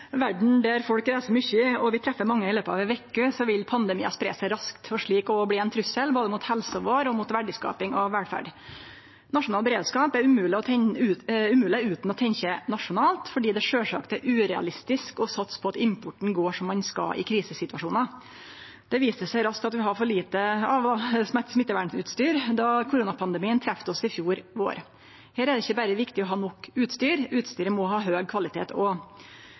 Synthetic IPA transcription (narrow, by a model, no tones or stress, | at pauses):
ʋæɖɳ̩d̪æɾfɔlkɾæɪsəɾmʏçəɔʋɪt̪ʰɾɛfːəɾmɑŋːəɪløːpəɑʋɛʋeːkːʉsɔʋɪlpʰɑnd̪əmḭːɑspɾḛːsæɪɾɑskt̪fɔʂɭiːkɔbliːɛnt̪ʰɾʉsəlboːd̪əmʊt̪hɛlsəʋoːɾɔmʊt̪ʋæɖɪskɑ̰ːpɪŋɔʋɛlfæ̰ɖ | nɑʂʊnɑːlbəɾeːd̪skɑːpæɾʉmʉːlɪɔt̪ʰɛʉʉmʉːlɪʉːt̪nɔt̪ʰɛɲçənɑʂʊnɑːlt̪fɔɖiːd̪ɛʂøːʂɑ̰ːkt̪æɾʔʉːɾɛɑ̰lɪst̪ɪskɔsɑt̪spʰɔɑt̪ɪmpʰʊʈːɳ̩ɡoːʂɔmːɑnskɑ̰ʔɪ̰kʰɾiːsəsɪt̪ʋɑʂuːnɑ | d̪̥ɛʋiːsəsæɪɾɑsk̚t̪ɑt̪ʋɪɦɑɾfɔɭiːt̪əjɑʋd̪ɑsmætsmɪt̪ːəʋæːɖɳʉ̰ːt̪st̪yːɾd̪ɑkʰʊɾuːnɑpʰɑnd̪ɛmiːənt̪ʰɾæft̪əɔsɪfjuːɾʋo̰ːɾ | hæːɾæɖ̪ɛɪçːəbæɾəʋɪkt̪ɪɔɦɑːnɔkːʉːt̪st̪yːɾʉːt̪st̪yːɾəmɔɦɑːɦøːɡ̚kʰʋɑlɪt̪ʰḛːt̪ʰɔ